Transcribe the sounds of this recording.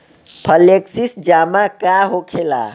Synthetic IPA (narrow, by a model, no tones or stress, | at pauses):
pʰəleksisd͡ʒamakaɦokʰela̰